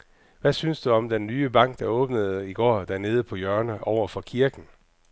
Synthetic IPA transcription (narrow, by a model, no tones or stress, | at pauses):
ʋæsynsd̥uɒ̽md̥enːyːəb̥ɑ̈ŋ̰ɡ̥̚d̥ɑ̈ɔ̽ːb̥nəð̩ˠiɡ̥ɒ̰ːd̥æɐne̝ːð̞ˠəpʰɒ̽jɶɐnəʔɒʊ̰ɐfɒ̽kʰiɐɡ̥n̩